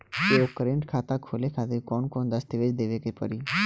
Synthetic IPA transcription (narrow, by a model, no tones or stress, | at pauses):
t̪eokəɾẽɳʈkʰaːt̪akʰoːlekʰaːt̪ɪɾkɔːnkɔːnd̪əst̪iʋed͡ʒd̪eːʋekepə̰ɾiː